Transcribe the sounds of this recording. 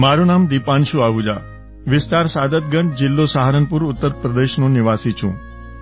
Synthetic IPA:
maɾũnamd̪ipanʃũaʋũd͡ʒa | ʋɪst̪aɾsad̪ət̪̚ɡəɳɖ̚d͡ʒɪlːosaɦaɾənpuɾʊt̪ːəɾpɾəd̪eʃnonɪʋasit͡ʃʰṵ̃

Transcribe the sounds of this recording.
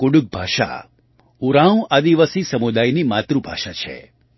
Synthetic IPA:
kuɽuk̚bʱaʃa̰ | uɾãũad̪iʋasisəmud̪ajnimat̪ɾubʱaʃat͡ʃʰḛ

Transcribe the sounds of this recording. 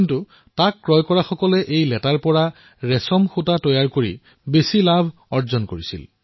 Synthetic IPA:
kintu | takːɹɔjkɔɹaxɔkɔlɛʔejlɛtaɹpɔɹa | ɹɛsɔmxutatɔjaɹkoɹi | besilabʱ | ɔɹzɔnkoɹisḭl

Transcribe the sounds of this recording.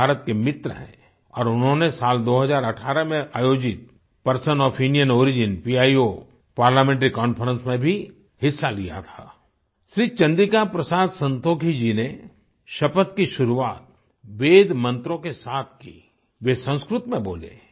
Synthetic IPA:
aːɾət̪kemɪt̪ɾəɦɛ̰̃ | ɔːɾʊnɦõnesaːld̪oːɦəzaːɾɐʈʰaːɾəmẽʔaːjoːd͡ʒɪt̪̚ | pɐɾsənɔːfɪ̃ɳɖijənoːɾɪd͡ʒɪnpiaːio | paːɾlaːmẽːɳʈ̬ɾikɔ̃ːnfʰəɾə̃nsmẽbʱi | hɪsːalija̰t̪ʰa̰ː | ʃɾiːt͡ʃɐ̃nd̪ikapɾəsaːd̪sə̃nt̪oːkʰid͡ʒine | ʃɐpət̪kiʃʊɾuʋaːt̪̚ | ʋeːd̪mɐ̃nt̪ɾõkesaːt̪ʰkḭː | ʋesə̃w̃skɾʊt̪mẽbo̰ːlḛː

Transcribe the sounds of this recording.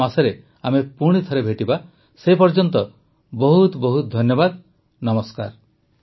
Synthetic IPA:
asɔɾe | amepuɽ̃it̪ʰɔɾebʱeʈiba | seɦipɔɾd͡ʒɔnt̪ɔ | bɔɦut̪bɔɦud̪ʱɔnjɔbad̪ | nɔmɔskaɾ

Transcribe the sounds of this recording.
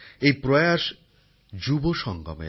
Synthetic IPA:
ejpɾojaʃ | d͡ʑuboʃɔŋɡɔ̰mḛ

